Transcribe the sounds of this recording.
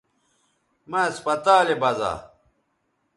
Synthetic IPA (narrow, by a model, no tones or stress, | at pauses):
maspɐt̪aːlebɐza̰